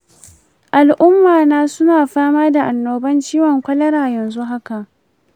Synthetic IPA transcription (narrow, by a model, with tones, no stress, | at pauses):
ʔa˨lʔʊ˦mːaː˨naː˦sʊ˦naː˨ɸaː˦maː˦da˨ʔa˨nːoː˨bɐ˦nt͡ʃiː˦wɔ˨ŋkʷɐ˦lɐ˦ɽaː˨jɐ˨nzu˦ɦa˦ka˨ʔ